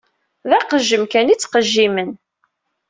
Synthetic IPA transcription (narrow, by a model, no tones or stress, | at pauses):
ðæqəʒːəmkænit͡sːqəʒːimən